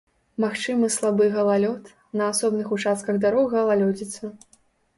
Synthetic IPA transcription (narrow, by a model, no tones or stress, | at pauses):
maxt͡ʂɨmɨslˠabɨɣɐlˠalʲɔt̪ | nɐasɔbnɨxut͡ʂast̪̚kɐɣd̪aɾɔɣɐlˠalʲɔd͡zʲit̪sɐ